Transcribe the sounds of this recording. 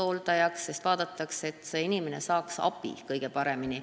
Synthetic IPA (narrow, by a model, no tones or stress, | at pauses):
o̞ːlt̪ɑjɑksːe̞st̪vɑːd̪̥ɑt̪ːˑɑkse̞t̪ːˑseinimene̞sɑːksɑ̰pːˑḭkɤjɡ̥e̞pɑɾe̞mini